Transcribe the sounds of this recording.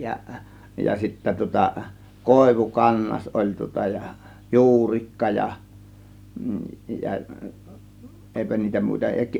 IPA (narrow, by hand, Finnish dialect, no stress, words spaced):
jɑ jɑ sitːæ tŭŏtɑ koˑe̝ʋukɑnːɑs olʲ tŭŏtɑ jɑ juːrikːɑ jɑ jɑ ʔeˑipæ niːtæ muˑitɑ jɑ